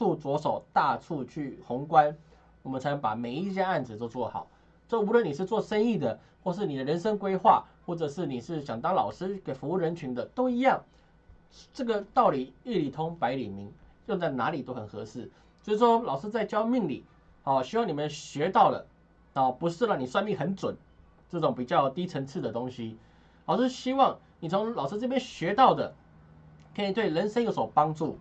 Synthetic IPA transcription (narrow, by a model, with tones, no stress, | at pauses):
ʈ͡ʂʰu˥˩t͡swɔ˧˥ʂo˨˩ʊt̪a˥˧ʈ͡ʂʰu˥˧t͡ɕʰy˥˩xʊ˧˥ŋkwa˦n | wɔ˨˩mə˦nt͡sʰɪnə˧˥ŋpa̰˨˩me˨˩ɪi˥˩t͡ɕja˥a˥˩nd͡zɹ̩˨˩t̪o˥˧t͡swɔ˥˩xɑ̰˨˩˦ʊ | ʈ͡ʂɤ˥˩u˧˥lwə˥˩ni˨˩ʂ̬ɻ̩˥˧t͡swɔ˥˧ʂə˥ni˥˩d̪ə˩ | xwɔ˥˧ʂ̬ɻ̩˥˩ni˨˩d̪ə˦ɻə˧˥nʂə˥ŋkwe˥ɪxwa̰˥˧xwɔ˥˩ʈ͡ʂɤ˨˩ʂɻ̩˥˩ni˨˩ʂɻ̩˥˩ɕjɑ˨˩ŋt̪ɑ˥ŋlɑ˨˩ʊʂɻ̩˥ke˨˩ɪfu˧˥u˥˩ɻə˧˥nt͡ɕʰy˧˥nd̪ə˨t̪o˥ʊi˧˥jɑ˥˩ŋ | ʈ͡ʂɤ˥˩ɡə˩t̪ɑ˥˩ʊli˨˩i˥˩li˨˩t̪ʰʊ˥ŋpa˧˥ɪli˨˩mi˧˥ŋjo˥˧t͡sa˥˩ɪna̰˧˥li˨˩t̪o˥ʊxə˨˩nxɤ˧˥sɹ̩˥˩ | sʂi˥˩ʂwɔ˦˥lɑ˨˩ʊʂɻ̩˥t͡sa˥˩ɪt͡ɕjɑ˥ʊmi˥˩ŋli˨˩ | ɔ˥˧˩ɕi˥wɑ˥˩ŋni˨˩mə˨nɕɥɛ˧˥t̪ɑ˥˩ʊlə̰˩ | ɔ˨˩pu˧˥ʂɻ̩˥˧ɻɑ˥˩ni˨˩swa˥˧nli˥˩xə˧˦nt͡swə̰˨˩˦n | ʈ͡ʂɤ˥˩ʈ͡ʂʊ˨˦ŋpi˨˩t͡ɕjɑ˥˩ʊt̪i˥t͡sʰə˧˥nt͡s̩ʰ˥˩d̪ə˩t̪ʊ˥ŋɕi˦ | lɑ˨˩ʊʂɻ̩˥˧ɕi˥wɑ˥˩ŋ | ni˨˩t͡sʰʊ˧˥ŋlɑ˨˩ʂ̩˥t͡sə˥˩pjɛ˥nɕɥɛ˧˥t̪ɑ˥˩ʊd̪ə̰˩ | kʰe˧˥ni˨˩t̪we˥˩ɪɻə˧˥nʂə˥njo˧˥spɑ˥ŋʈ͡ʂu˥˩